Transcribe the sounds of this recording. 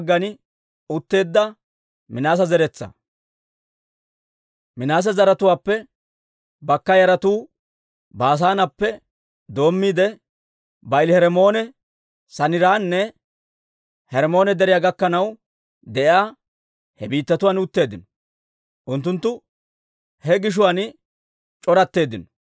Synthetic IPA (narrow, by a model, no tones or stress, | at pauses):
ɡːɐnɪ | ʊt̪ːe̞ːd̪ːɐ | mɪnaːs̬ɐzɛɾɛt͡sːɐ̰ | mɪnaːs̬ɐzɐɾɐt̪ʊwaːpːɛ | bɐkːɐjɐɾɐt̪uː | baːs̬aːnɐpːɛ | d̪o̞ːmːiːd̪ɛ | bɐɪlhɛɾɛmo̞ːnɛ | sɐnɪɾaːnːɛ | hɛɾɛmo̞ːnɛd̪ɛɾɪjaːɡɐkːɐnɐw | d̪ɛʔjaː | hɛbiːt̪ːɐt̪ʊwaːnʊt̪ːe̞ːd̪ɪnɔ | ʔʊnt̪ːʊnt̪ːʊ | hɛɡɪʃ̬ʊwaːn | t͡ʃʼɔɾɐt̪ːe̞ːd̪ɪnɔ̥